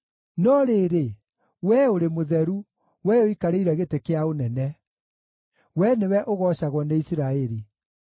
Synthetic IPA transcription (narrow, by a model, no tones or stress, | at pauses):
nɔɾeːɾe | wɛoɾemoðɛɾu | wɛoikaɾeiɾɛɣetekeaonɛnɛ | wɛnewɛʔoɣɔɕaɣwɔneisiɾaɛɾi